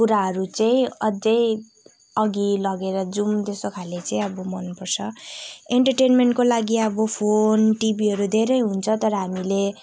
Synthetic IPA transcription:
kuɾaɦʌɾut͡saĩʌd͡zʌj | ʌɡilʌɡeɾʌd͡zumt̪esokʰalet͡saĩʌbʌmʌnpʌrt͡sʰʌeɳʈʌrʈenmeɳʈkolaɡiʌbʌpʰonʈibiɦʌɾud̪ʱeɾʌjɦunt͡sʰʌt̪ʌɾʌɦamile

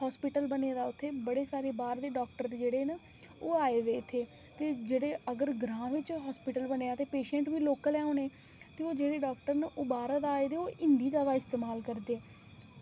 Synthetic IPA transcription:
ɦɔːspɪʈəlbəneːd̪aːʊt̪ʰːeːbəɽeːsaːɾeːbaːɾd̪eːɖɔːk̚ʈəɾd͡ʒeːɽeːnə | oːaːeːd̪eːɪt̪ʰːeː | t̪eːd͡ʒeːɽeːəɡəɾɡɾãːʋɪt͡ʃɦɔːspɪʈəlbəneːaːt̪eːpeːʃɛ̃ːɳʈʋiːloːkəlɛːoːneː | t̪eːoːd͡ʒeːɽeːɖɔːkʈəɾnʔoːbaːɾəd̪aːeːd̪eːoːʔɪnd̪iːd͡ʒaːd̪aːɪst̪eːmaːlkəɾd̪eː

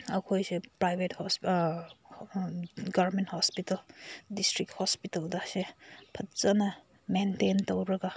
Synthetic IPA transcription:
ɐkʰojsepɾajbʱeth | ɡɐbɾmenthɔspitɐldistɾik̚hɔspitɐldasepʰɐtzɐna | mententowɾɐɡa

